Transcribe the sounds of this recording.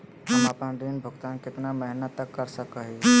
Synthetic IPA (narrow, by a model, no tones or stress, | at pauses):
ɐmapə̃ɳɖinbʱʊɡt̪ankɪt̪naməɦnət̪ːəkːəɾsəkəɦi